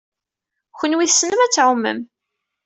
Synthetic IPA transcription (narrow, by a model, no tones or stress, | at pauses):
çʷənwiθsːnəmæt͡sːʕʊmːə̰m